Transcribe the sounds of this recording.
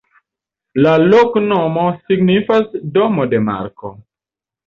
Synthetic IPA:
laloknomosiɡnifasdomodema̰ɾko̰

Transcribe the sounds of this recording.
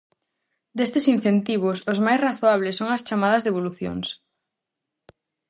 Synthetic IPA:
d̪est̪ɪsin̟θent̪iβ̞ʊsʊzmajsraθoaβlɪsːoŋɐst͡ʃamaðɐzðeβ̞oluθjo̰ŋs

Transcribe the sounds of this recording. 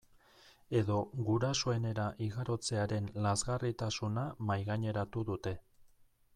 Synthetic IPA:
e̞ðo̞ɣuɾasoe̞ne̞ɾaʔiɣaɾo̞t͡se̞aɾe̞nlazɣarit̪asunamajɣaɲe̞ɾat̪uðut̪e̞

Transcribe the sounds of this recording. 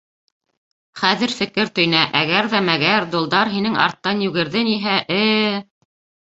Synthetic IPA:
χæðɘ̆ɾfɘ̆kɘɾt̪ɵ̆jnæʔæɡæɾðæmæɡæɾd̪ŭlˠd̪ɑɾɦinɘŋɑ̰ɾt̪ːɑnjʉɡɘ̆ɾðɘniɦæʔɘ

